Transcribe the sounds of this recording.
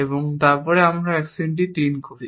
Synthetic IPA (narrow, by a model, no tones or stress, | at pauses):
eboŋt̪aɾpɔɾeamɾaɛksiɳʈ̬it̪inkoɾi